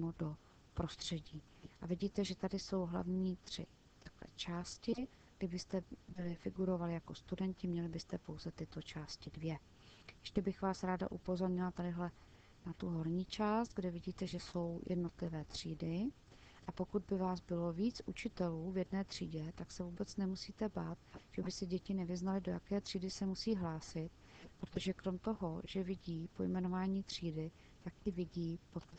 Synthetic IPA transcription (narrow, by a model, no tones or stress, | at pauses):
modo̞ | pɾo̞st̪r̝̥ɛɟiː | ʔavɪɟiːt̪ɛʒɛt̪adɪso̞wɦla̰vɲiːt̪r̝̥ɪ̰ | t̪ḁklɛ̰t͡ʃaːscɪ | ɡdɪbɪst̪ɛbɪlɪfɪɡuɾo̞valɪjako̞st̪udɛncɪmɲɛlɪbɪst̪ɛpowzɛt̪ɪt̪o̞t͡ʃaːscɪdvjɛ | jɛʃcɛbɪxvaːsɾaːda̰ʔupo̞zo̞ɾɲɪlat̪adɪɦlɛ | nat̪uɦo̞ɾɲiːt͡ʃaːst̪̚ɡdɛvɪɟiːt̪ɛʒɛso̞wjʔɛ̰dno̞t̪lɪvɛːt̪r̝̥iːdɪ | ʔapo̞kud̪̚bɪvaːsbɪlo̞viːt͡sʔut͡ʃɪt̪ɛluːvjɛdnɛːt̪r̝̥ḭːɟɛt̪aksɛvuːbɛt͡snɛmusiːt̪ɛbaːt̪ʒ̥ɛbɪsɛɟɛcɪnɛvɪznalɪdo̞jakɛːt̪r̥iːdɪsɛmusiːɦlaːsɪt̪ | pɾot̪oʒɛkɾo̞mt̪o̞ɦo̞ʒ̥ɛvɪɟiːpo̞̰jmɛno̞vaːɲiːt̪r̝̥iːdɪ | t̪akʔɪvɪɟiːpot̪